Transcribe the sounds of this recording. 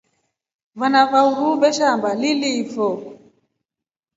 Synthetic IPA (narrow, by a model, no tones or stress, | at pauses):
vanavauɾubɛʃambalilifɔ